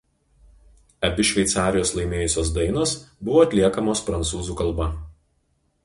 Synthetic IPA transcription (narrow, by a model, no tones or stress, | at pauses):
ɐbʲɪʃʲʋʲɛt̪sɑːɾʲɪjoːslˠɐɪmʲeːjʊsʲoːs̬d̪ɐɪnoːsbʊʋoːɐt̪ʲlʲiɛkɐmoːspɾɐnt̪suːzuːkɐlˠˑbɐ